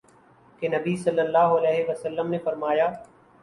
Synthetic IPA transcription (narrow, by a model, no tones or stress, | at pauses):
kenɐbisɐlːəlːaːɦɐlɛːɦeʋɐsəlːəmnefɐɾmaːjaː